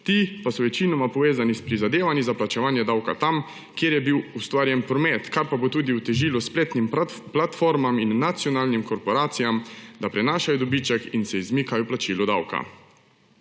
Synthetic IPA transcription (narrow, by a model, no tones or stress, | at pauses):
t̪ipasɔʋɛt͡ʃinɔmapɔʋeːzanispɾizad̪eːʋanizaplat͡ʃɛʋaːnjɛd̪awka̰t̪am | kjeːɾjɛbiwust̪ʋaːɾjɛnpɾɔmet̪kaɾpabot̪uːd̪iwt̪ɛʒiːluspleːt̪nimplat̪foɾmaminːat̪sijɔnaːlnimkɔɾpɔɾaːt̪sijamd̪apɾɛnaːʃajɔd̪ɔbit͡ʃɛkinsɛizmiːkajɔplat͡ʃilɔd̪awka̰